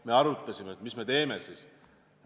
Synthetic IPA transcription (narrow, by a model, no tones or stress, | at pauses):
me̞ɑɾut̪ˑːɑsʲimet̪misme̞t̪e̞ːme̞siːs